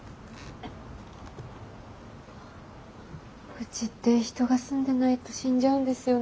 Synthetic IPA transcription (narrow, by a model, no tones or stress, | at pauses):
kɯ̟t͡ɕit̪ːeçi̥t̪o̞ɡasɨ̃nd̪e̞nait̪o̞ɕĩɲ̟d͡ʑaɯ̟̃nd̪e̞sɨjo̞